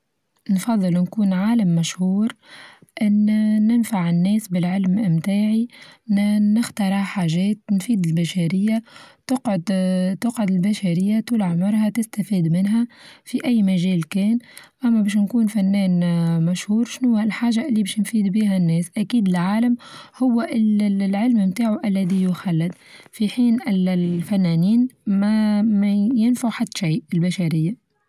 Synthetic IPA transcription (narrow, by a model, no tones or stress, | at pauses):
nfɑðˤːɨlnkuːnʕaːlamːæʃhuːɾʔɪnːɪnfaʕɪnːɛːsbɪlʕɪlmʔɪmt̪aːʕiː | ɪxt̪ɑɾˤɑħaːʒɛːt̪nfiːd̪ɪlbæʃæɾɪjːat̪ʊqʕʊd̪t̪ʊqʕʊd̪ɪlbæʃæɾɪjːat̪uːlʕmʊɾˤhat̪ɪst̪æfiːd̪mɪnɦæfiʔæjːmæʒɛːlkɛːnʔæmːæbɛːʃ̬nkuːnfænːɛːnmæʃhuːɾˤʃnʊwalħaːʒaʔɪlːiːbɛːʃnfiːd̪biːɦænːɛːsʔækiːd̪ɪlʕaːlamhʊwːʔɪlʕɪlmmt̪aːʕuʔælːæðijʊxalːɪd̪fiħiːnɪlfænːæniːnmæmjɪnfaħat̪ːʃiːʔɪlbaʃæɾɪjːa